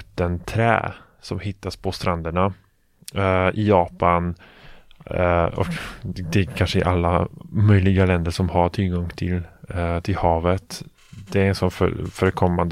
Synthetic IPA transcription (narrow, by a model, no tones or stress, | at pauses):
t̪ːənt̪ʰɾɛ̰ː | sɔmhɪt̪ːaspʰɔst̪ɾand̪əɳa | ɪjɑːpan | ɔ̰kd̪ɛkʰanʂəɪ̰ʔalːamœjlɪɡalɛnd̪əʂɔmhaʈʰɪlɡɔŋt̪ʰɪlt̪ʰɪlhɑːvət̪ | d̪ɛɾɛnsɔnffœːɾəkʰɔmːand̪